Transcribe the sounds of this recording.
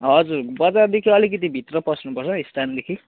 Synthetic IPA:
ɦʌd͡zurbʌd͡zard̪ekʰiʌlikʌt̪̬ibʱit̪rʌpʌsnupʌrt͡sʰʌist̪ʰand̪ekʰi

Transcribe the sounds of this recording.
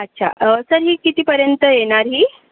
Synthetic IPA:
ətːɕʰa̰ʔəsəɾɦiːkit̪iːpəɾjənt̪əjeɽ̃aɾɦiː

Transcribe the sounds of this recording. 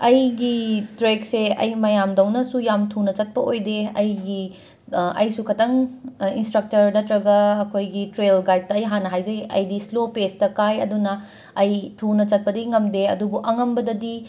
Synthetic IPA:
ɐjɡitɾekseɐ̰jmɐjamdɐwnɐsujamtʰunɐt͡ʃɐt̚pɐʔojdeɐjɡi | ɐ̰jsukʰɐtɐŋinstɾɐk̚tɐɾnɐtɾɐɡɐːkʰojɡitɾelɡajd̚tːɐːjɦanɐɦajzɐjɐ̰jdislopestɐkajɐ̰dunɐ | ɐjtʰunɐt͡ʃɐt̚pɐdiŋɐmdeɐ̰dubuʔɐŋɐmbɐdɐdi

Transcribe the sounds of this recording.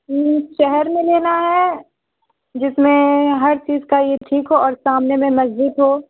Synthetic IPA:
ʃɛɦɛɾmẽleːnaɦɛ | d͡ʒɪsmẽɦɐɾt͡ʃiːzkajeʈʰiːkɦoɔːɾsaːmnemẽmɐzd͡ʒɪd̪ɦoː

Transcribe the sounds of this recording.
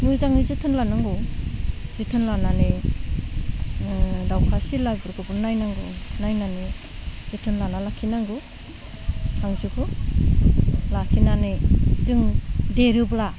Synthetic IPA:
nɯzaŋizɯtʰɯnlanaŋɡɯ | z̥ɯtʰɯnlanane | dawkʰasilajbɯɾɡɯbɯnajnaŋɡɯnajnane | z̥ɯtʰɯnlanalakʰinaŋɡɯ | sʰaŋzɯɡɯ | lakʰinanezɯŋdeɾɯbla

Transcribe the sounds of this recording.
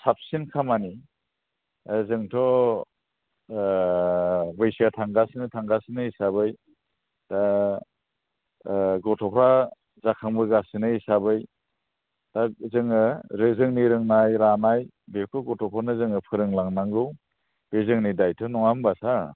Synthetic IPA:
sap̚sinkʰamani | zɯŋtʰɔ | bɯjsiatʰaŋɡasinɯtʰaŋɡasinɯisabɯj | ta | ɡɔtʰɔpʰɾa | zakʰaŋbɯɡasɯnɯisabɯj | tazɯŋɯɾɯzɯŋniɾɯŋnajɾanaj | betʰɔɡɔtʰɔpʰɔnɯzɯŋɯpʰɯɾɯŋlaŋnaŋɡɯw | b̥ezɯŋnidajtʰɔnɔŋambasa

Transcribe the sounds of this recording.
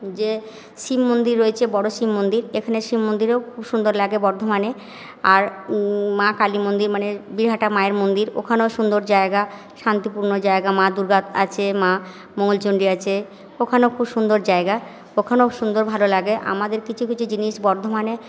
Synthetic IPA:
d͡ʑe | ʃimːond̪iɾːoet͡ɕʰebɔɽoʃimːond̪iɾekʰaneʃimːond̪iɾeokʰubʃund̪oɾlaɡebɔɾd̪ʱomane | aɾmakalimond̪iɾmanebiɾɦaʈamaeɾmond̪iɾo̰kʰanoʃund̪oɾd͡ʑaeɡa | ʃant̪ipuɾnod͡ʑaeɡamãd̪uɾɡat̪a̰t͡ɕʰema | moŋolt͡ɕoɳɖiat͡ɕʰe | okʰanokʰubʃund̪oɾd͡ʑaeɡa | okʰanoʃund̪oɾbʱalolaɡeʔa̰mad̪eɾkit͡ɕʰukit͡ɕʰud͡ʑiniʃbɔɾd̪ʱomane

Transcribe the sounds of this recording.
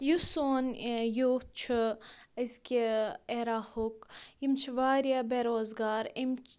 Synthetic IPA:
jusoːnjot̪̚t͡ʃʰuəzkʲieɾaːhukjimt͡ʃʰiʋaːɾijabeːɾoːzɡaːɾim

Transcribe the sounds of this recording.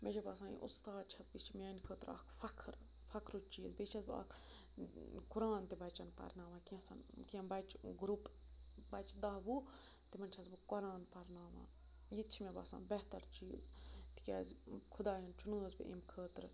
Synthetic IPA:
med͡ʒɐbɐsãːjḭʔust̪aːd̪̚t͡ʃʰɐbit͡ʃʰimʲaːnʲkʰəːt̪ɾa̰kʰfɐkʰɾ | fɐkʰɾut͡ʃiːzbit͡ʃʰɐzba̰kʰ | kuɾaːnt̪ebɐt͡ʃɐnpɐ̰ɾnaːʋãːkiãsɐ̰nkiɐmbɐt͡ʃɡɾup | bɐt͡ʃd̪ɐɦbu | t̪imɐnt͡ʃʰɐzbɨkɔɾaːnpɐɾnaːʋã̰ː | jit͡ʃʰimebɐ̰sã̰ːnbɛt̪ɐɾt͡ʃiːz | t̪i̥kʲa̰ːzkʰud̪aːjɐnt͡ʃunəːzbɨ̰ʔḛmkʰəːt̪ɾ

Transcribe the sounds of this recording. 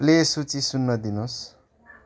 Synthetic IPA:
lesut͡sisunːʌd̪inos

